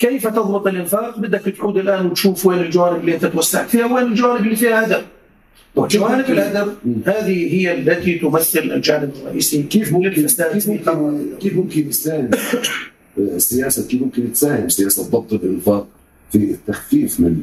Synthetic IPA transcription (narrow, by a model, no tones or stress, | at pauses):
kejfat̪ɑðˤbʊt̪ˤɪlʔɪnfɑːq̚bɪd̪ːakt̪ħuːd̪ɪlʔaːnwɪt̪ʃuːfweːnɪld͡ʒawaːnɪbɪlːiːʔɪnt̪at̪wasːa̰ʕat̪fiːhaweːnɪld͡ʒawaːnɪbɪlːifiːhaʔad̪ab | wɪʒd͡ʒawaːnɪbɪlʔad̪abhaːðiɦɪjːalːat̪it̪ʊmaθːɪla̰ld͡ʒaːnɪbɪrˤːɑ̰ʔiːsɪjːkiːfkɪlasaː | kiːfmʊmkɪnɪt̪saːhɪm | sːɪjaːsamʊmkɪnɪt̪saːhɪmsɪjaːsa̰d̪ˤɑb̚t̪ˤɪlʔɪ̰nfɑːq̚ | fit̪ːaxfiːfmɪ̰n